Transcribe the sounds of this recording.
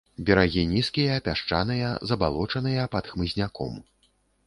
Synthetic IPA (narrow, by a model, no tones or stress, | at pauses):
bʲɛɾaɣʲinʲiskʲijɐːpʲaʂt͡ʂa̰nɨjɐzɐbalˠɔt͡ʂɐnɨjɐpɐt̪xmɨzʲnʲakɔ̰m